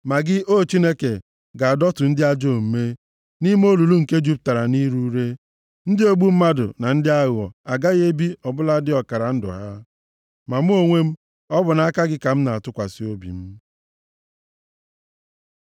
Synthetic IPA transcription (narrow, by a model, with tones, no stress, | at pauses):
ma˨ɡɪ˦ʔo˦t͡ʃi˦ne˦ke˨ | ɡa˨a˨dɔ˦tʊ˨n̩˦dɪ˦a˦d͡ʒo˦˨m̩˨me˦ | ni˦m˦o˦lu˨lu˦ŋ̩˨ke˦d͡ʒu˦p̚ta˨ɾa˨ni˦ɾu˦ɾe˦ | n̩˦dɪ˦o˦ɡ͡bu˦m̩˦ma˦dʊ̰˨na˨n̩˦dɪ˦a˦ɣɔ̰˨a˨ɡa˦ɣe˦bi˦ɔ˨bʊ˦la˦dɪ˦ɔ˨ka˨ɾa˨n̩˦dʊ̰˨ɦa˦ | ma˨m̩˦o˨ŋʷe˦m̩˦ | ɔ˦bʊ˨na˨a˦ka˦ɡɪ˦ka˨m̩˦na˨a˨tʊ˦kʷa˨sɪ˦o˦bḭ˨m̩˦